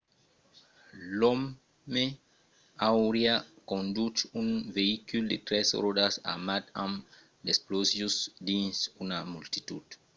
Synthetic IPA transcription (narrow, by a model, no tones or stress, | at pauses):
lomː | e | awɾiakõnd̪utunveikuld̪ḛt̪ɾɛsɾodasa̰mat̪am | desplozjusd̪ĩnsunamult̪it̪ud̪̥